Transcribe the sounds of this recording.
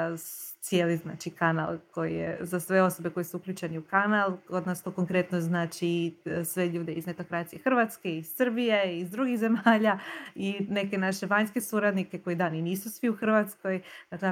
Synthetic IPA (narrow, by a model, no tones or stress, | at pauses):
t̪sjeːlizna̰ːt͡ʃikana̰lˠko̞jḭjḛzasʋe̞o̞so̞beko̞jisuukʎʲuːt͡ʃe̞niukanalˠod̪nast̪okoŋkɾe̞t̪noznaːt͡ʃisʋe̞ʎuːd̪e̞izne̞t̪o̞kɾat̪sije̞xr̩ʋat̪ske̞iz̥sr̩bijeizd̪ɾuɡiɣze̞maːʎaine̞ke̞naʃe̞ʋaɲske̞suːɾad̪nike̞ko̞id̪aːniniːsusʋiuxr̩ʋat̪sko̞jd̪akle